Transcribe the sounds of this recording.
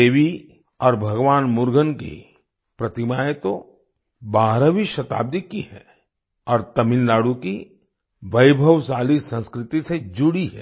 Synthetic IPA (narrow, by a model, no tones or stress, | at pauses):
eːʋi | ɔːɾbʱɐɡʋaːnmʊɾɡʱənkḭ | pɾɐt̪ɪmaːjet̪o | baːɦɾaʋiʃɐt̪a̰ːb̚d̪ikiɦɛː | ɔːɾt̪ɐmɪnlaːɽuki | ʋɐjbʱəʋsaːlisə̃nskɾɪt̪ised͡ʒʊɽiɦɛ̰ː